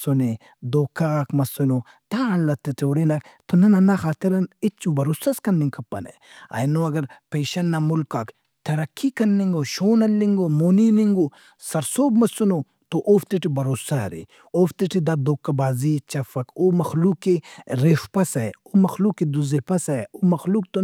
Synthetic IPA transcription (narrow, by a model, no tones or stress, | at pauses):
sone | d̪oːkakmɐsuno | t̪aɐnlɐt̪ːet̪eːɽenɐkt̪onɐnɐnaxaːt̪iɾɐnit͡ʃubɐɾoːsɐskɐnːiŋkʰɐpːɐ̰nɐ̰ | ɐ̰jnoɐɡɐɾpeːʃɐnːɐmulkɐk | t̪ɐɾɐkʰːikɐnːiŋɡoʃoːnɐlːiŋɡomoːniniŋɡo | sɐɾsoːbmɐsuno | t̪oʔoːft̪iʈibɐɾoːsa̰ɾḭ | oːft̪iʈid̪ɐd̪oːkːɐbaːziːt͡ʃɐfɐkomɐxlukːeɾeːfpɐsɐ̰oːmɐxluːked̪uzepɐsɐomɐxluːk̚t̪o